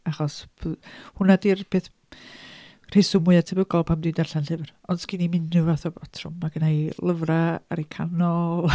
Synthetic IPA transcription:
aχɔsʰ | hʊnadirpʰeːθ | r̥ejsʊmʊɨatʰəbəɡɔlˠpʰamdidarɬanɬɨvrɔnsɡ̥ɪnimɪnʊvaθɔbɔtʰrʊmːaɡənajlˠəvraa̰ɾikʰanɔlˠ

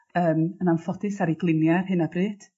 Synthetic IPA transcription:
əːmənanfɔdɪsaɾiɡlˠɪmjarhɨnabrɨːd̥

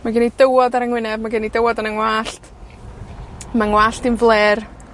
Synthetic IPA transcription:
maɡɪnidəwɔdaɾəŋwɪnɛbmaɡɪnidəwɔdanəŋwaːɬt | maŋwaːɬtɪnvlˠeːr

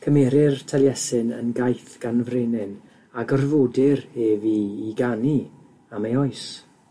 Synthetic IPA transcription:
kʰəmeɾɪrtʰalˠjɛsɨnə̰nɡajθɡ̥anvrenɪn | aɡərvoːdɪreːviːɡani | amejɔɨs

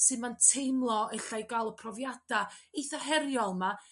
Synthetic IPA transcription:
sɨnmantʰejmlˠɔəɬajɡalˠɔpʰrɔvjad̥aiθɔɦɛɾjɔlˠma

